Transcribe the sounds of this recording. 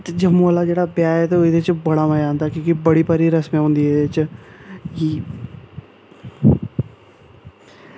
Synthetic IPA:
t̪d͡ʒɐmoːlad͡ʒeːɽabjaːɦet̪oɪd̪et͡ʃbɐɽamajãːnt̪akjõːkibɐɽipɐɾiɾɐsmẽõnd̪ied̪et͡ʃ | ji

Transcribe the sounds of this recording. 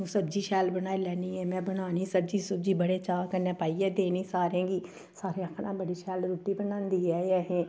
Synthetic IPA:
ũːsəb̚d͡ʒiːʃɛːlbənaːilɛːniːɦɛːmɛ̃ːbənaːniːsəbd͡ʒiːsəb̚d͡ʒiːbəɽeːt͡ʃaːkəɾnẽːpaːiːɛːd̪eːniːsaːɾẽːɡiː | saːɾẽːəkʰnãːbəɽiːʃɛːlɾuːʈːiːbənãːnd̪iːɛːɛɦɛ̃ː

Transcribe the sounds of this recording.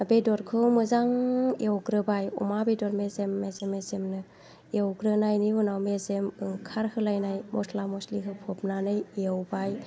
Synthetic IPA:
bedɔɾkʰɯwmɯzaŋewɡɾɯbajɔ̰mabedɔɾmezemːezemːezemnɯ | ewɡɾɯnajniunawmezemɯŋkʰaɾhɯlajnajmʔɔsʰlamɔsliɦɯpʰɔp̚nanɯjeewbaj

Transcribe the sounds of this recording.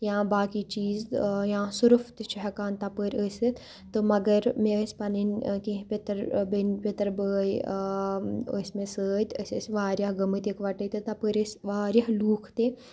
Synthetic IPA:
jãːbaːkit͡ʃiːzjãːsuɾuft̪it͡ʃʰɐɦɐkaːnt̪apəɾʲəːsʲɨ | t̪ɨmɐɡɐɾmẽəsʲpɐninʲkẽɦpʲet̪ɾbənpʲet̪ɐɾbəːj | əsʲmẽsəːt̪əsʲəsʲʋaːɾʲjaɦɡɐmɨt̪ikʋaʈət̪ɨt̪apəɾʲəsʲʋaːɾjaɦluːkʰt̪e

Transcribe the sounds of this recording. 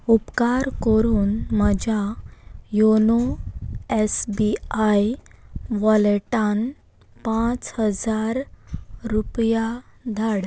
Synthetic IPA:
upkaɾkəɾuːnməd͡ʑʱa | jono | esbiajʋɔlʈan | pãt͡shəd͡zaɾɾupjad̪ʱaɽ

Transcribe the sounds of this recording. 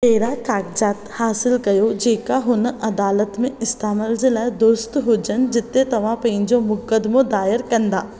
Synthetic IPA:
meːɾakaːkd͡ʒaːt̪haːsɪlkɐjod͡ʒeːkaɦʊnɐd̪aːlət̪mẽɪst̪aːməld͡ʒɪlɛd̪oɾst̪ɦoːd͡ʒənd͡ʒɪt̪ːet̪ɐʋ̤ãpɐ̃ĩnd͡ʒomʊkːəd̪mõd̪aːjəɾkɐ̃nd̪aː

